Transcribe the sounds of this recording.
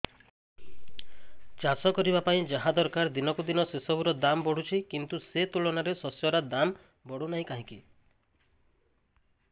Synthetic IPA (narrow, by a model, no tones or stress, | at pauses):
t͡ʃasɔkɔɾibapaĩd͡ʒaɦãd̪ɔɾkaɾd̪inɔkud̪inɔsesɔbuɾɔd̪ambɔɽ̤ut͡ʃʰikint̪uset̪ulɔnaɾesɔsjɔɾad̪am | bɔɽ̤unaɦĩkaɦĩki